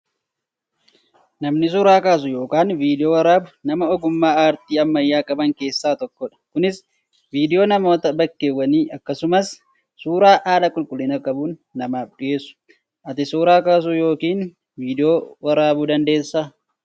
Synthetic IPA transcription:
nɐmnɪs̬uːɾaːkaːs̬ʊjo̞ːkaːnviːd̪ɪjoːwɐɾaːbʊnɐmɐɔɡʊmːaːaːɾt̪iːɐmːɐjːaːkʼɐbɐŋke̞ːsːaːt̪ɔkːɔᶑɐ̥kʊnɪs | viːd̪ɪjoːnɐmo̞ːt̪ɐbɐkːeːwːɐniːʔɐkːɐsʊmɐs | suːɾaːʔaːlɐkʼʊlkʼʊlɪnɐkʼɐbuːnːɐmaːfᶑɪje̞ːsʊ̥ | ʔɐt̪ɪsuːɾaːkaːs̬ujo̞ːkiːn | viːd̪ɪjoːwɐɾaːbud̪ɐnd̪e̞ːsːaː

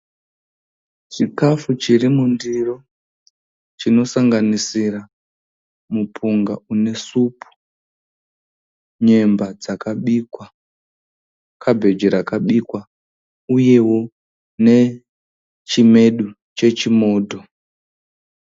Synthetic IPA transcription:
t͡ʃikafut͡ʃiɾimundiro | t͡ʃino̞saŋɡanisira | mupʰuŋɡaune̞supʰu̥ | ɲe̞mbad͡zakaɓiːkwa | kabʱe̞d͡ʒeɾakaɓikwa | uje̞wo̞ | ne̞ | t͡ʃime̞ɗu | t͡ʃe̞t͡ʃimo̞ːdʱo̞

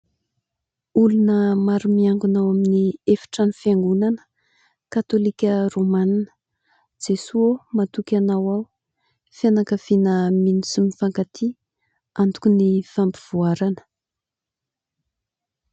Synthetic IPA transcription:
ulunəmaɾumiaŋɡunawaminiefi̥ʈ͡ʂanifjaŋɡunanə̥ | kat̪olikʲəromaninə̥ | d͡zesuomat̪ukʲanawaw | fjanakavinəminisimifaŋkat̪ʰi | and̪u̥kʲunifampiv̥uaɾanə̥

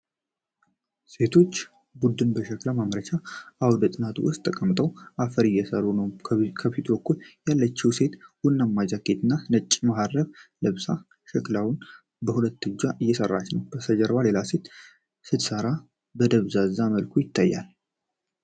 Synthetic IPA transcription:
se̞t̪ʰo̞t͡ʃː | bud̪ɨnbəʃəklamamɾət͡ʃʰaʔawd̪ət̪ʼɨnat̪ʰwʊst̪ʼʰːəkʼəmt̪ʼəwʔafəɾɨjɛsəɾunəwʰkʰəfit̪bəkːuljalːət͡ʃːɛwse̞t̪wʊnːamːad͡ʒake̞t̪ʰɨnːanət͡ʃʼːmahad̪ːəβləβsa | ʃəklawʊn | bəhulət̪ːɨd͡ʒaʔɨjːɛsərːa̰t͡ʃːnəwbəsəd͡ʒəɾbale̞lase̞t̪ | sɨt̪səɾa | bəd̪əβzaɨzːaməlkʰujɪt̪ʰːajːa̰l

